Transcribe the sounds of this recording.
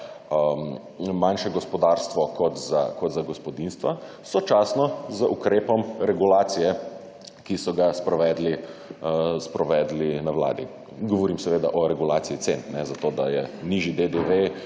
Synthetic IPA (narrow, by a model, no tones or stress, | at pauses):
m | manʃɛɡɔspɔd̪aɾst̪ʋɔkʰɔt̪za̰kɔt̪zaɡɔspɔd̪inst̪ʋa | sɔt͡ʃaːsnɔzəʔukɾeːpɔmɾɛɡulaːt̪sijɛ | kisɔɡaspɾɔʋɛːd̪li | spɾɔʋɛd̪linawla̰ːd̪i | ɡɔʋɔɾimsɛʋeːd̪a̰ʔɔɾɛɡulaːsijit̪sennɛzat̪oːd̪ajɛniʒid̪ed̪eʋe